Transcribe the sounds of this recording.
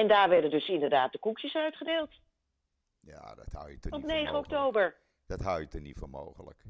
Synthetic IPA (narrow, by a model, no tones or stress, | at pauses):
ɛndaːɹʋɛɹdəndɵsɪndəɹdaːt̚dəkukjəsœɥtχədeːlˠt | ja̰ːdɑ̰tha̰wjətɔpnejχəɔktowbəɹ | d̥ɑtɦawjətɔnitfɔmo̰wχələ̰k